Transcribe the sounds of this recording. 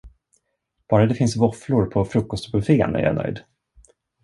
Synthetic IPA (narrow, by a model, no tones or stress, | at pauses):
b̥ɑːɾad̪ɛfɪnsvɔflʊɾpʰɔfɾɵkːɔst̪bɵfḛːnæ̰ɾja̰nœ̰jd̪